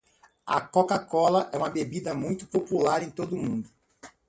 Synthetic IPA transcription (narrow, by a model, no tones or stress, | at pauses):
ɐ̰kokakɔlɐʔɛũmɐbebid̪ɐmũj̃t̪ʊ̥populaɾẽj̃t̪od̪ʊmũd̪ʊ